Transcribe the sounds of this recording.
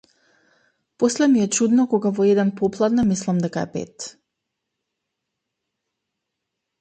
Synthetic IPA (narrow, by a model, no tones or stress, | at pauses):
poslɛmiɛt͡ʃud̪nɔkoɡavɔɛd̪ɛnpoplˠad̪namislˠamd̪ɛkaɛ̰pɛ̰t̪